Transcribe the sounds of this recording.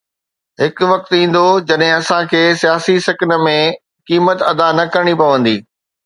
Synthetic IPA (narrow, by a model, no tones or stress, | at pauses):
ɦɪkʊ̆ʋɐk̚t̪ĩːn̆d̪od͡ʑɐɗɦɪ̃ɐsãkʰeːsijaːsisɐkɪnə̆mẽ | kiːmət̪ɐd̪anɐkɐɾɽ̃ipɐʋə̃nd̪iː